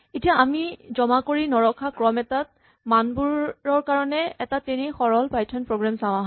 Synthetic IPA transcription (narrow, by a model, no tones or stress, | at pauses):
etijaːmizɔmakoɹinɔɹɔkʰakɹɔmɛtat̚ | manbuɹɔɹkaɹɔnɛɛtatenixɔɹɔlpajtʰɔnpɹoɡɹamsaw̃ãɦ